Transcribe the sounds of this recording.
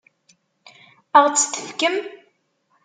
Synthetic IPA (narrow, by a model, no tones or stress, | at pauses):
əʁt͡sːt̪ə̥fkəm